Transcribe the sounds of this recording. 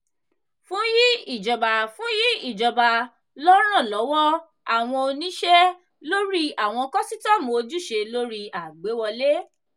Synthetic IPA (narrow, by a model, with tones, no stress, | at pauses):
fũ˨˦ji˦i˦˨d͡ʒɔ˨ba˨fũ˨˦ji˦i˦˨d͡ʒɔ˨ba˧ | lɔ˦ɾ̃ã˦˨lɔ˨˦wɔ˦ | a˦˨w̃ɔ̃˧o˧nĩ˦ʃɛ˦ | lo˦ɾi˦a˨w̃ɔ̃˧kɔ˦si˦tɔ˦˨mo˨˧d͡ʒu˦ʃe˧lo˦ɾi˦a˨ɡ͡be˨˦wɔ˧le˦